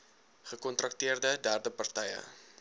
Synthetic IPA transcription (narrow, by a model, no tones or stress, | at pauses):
χəkɔnt̪ɾɐktiərdədæːrdəpɐrtɛjə̰